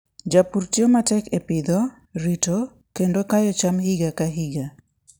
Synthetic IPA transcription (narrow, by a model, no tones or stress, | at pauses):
d͡ʒapurtjomatɛkepɪd̪o | ɾito | kendokajɔt͡ʃamhiɡakaɦiɡa